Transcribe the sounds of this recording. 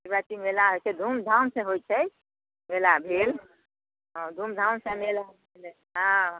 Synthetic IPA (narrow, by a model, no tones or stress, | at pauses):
ibɾat͡ʃimelaɦojt͡ʃɛd̪ʱumd̪ʱawnsẽɦojt͡ʃʰɛj | melabʱel | ɦə̃d̪ʱumd̪ʱawnsẽmel | el | ɦã